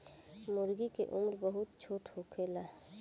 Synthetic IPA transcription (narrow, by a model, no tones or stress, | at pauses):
mʊɾɡikeʔʊmɾbəɦʊt̪̚t͡ʃʰoːʈʰhokʰela